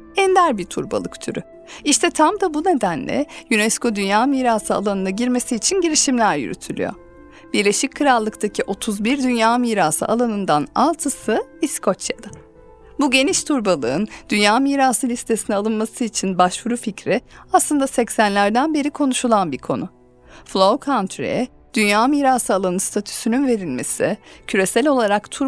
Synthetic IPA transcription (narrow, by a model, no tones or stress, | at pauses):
ɛnd̪æɾbiɾt̪ʰṵɾba̰lˠɯkt̪ʰyɾy̰ | iʃt̪ʰɛt̪ʰamd̪abune̞d̪ænlʲɛ̰jynɛsko̞d̪ynjaːmiːɾaːsɯa̰lˠanɯnaɟiɾme̞siːt͡ʃʰinɟeɾiʃimlʲæɾjy̰ɾy̰t̪ʰylʲy̰jo̰ɾ | b̥iɾlʲe̞ʃic̚kʰɯɾalˠːɯkt̪ʰacʰiʔo̞t̪ʰuzbiɾd̪ynjaːmiːɾaːsɯ̰ʔa̰lˠanɯnd̪analˠt̪ʰɯsɯiskʰo̞t͡ʃjad̪a | buɟe̞niʃt̪ʰuɾbalˠɯɯnd̪ynjaːmiːɾaːsɯlʲist̪ʰe̞sinɛalˠɯnmasɯit͡ʃʰinbaʃvuɾuficɾiaslˠɯnd̪asɛcsænlʲæɾd̪ænbe̞ɾikʰo̞nuʃulˠanbiɾkʰo̞̰nʊ | flˠowkʰant̪ʰɾḛɛ | d̪̥ynjaːmiːɾasɯalˠanɯst̪ʰat̪ʰy̥synynve̞ɾilʲme̞sḭcʰyɾe̞sælʲo̞lˠaɾakt̪ʰuɾ